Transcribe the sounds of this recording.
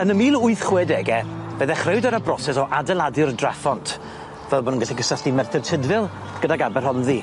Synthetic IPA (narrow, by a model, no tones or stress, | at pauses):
ənəmiːlˠʊɨθχwɛdɛɡɛb̥əðɛχrɪwdəɾəbrɔsɛsɔʔadɛlˠadɨrdrafɔntʰ | vɛlˠboːnənɡaɬiɡəsəɬtimɛrθɛrtʰɪdvɪlˠ | ɡ̥ədaɡabɛrhɔnði